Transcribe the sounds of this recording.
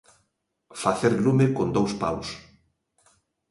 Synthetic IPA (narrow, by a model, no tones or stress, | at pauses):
faθeɾlumekond̪owspa̰ws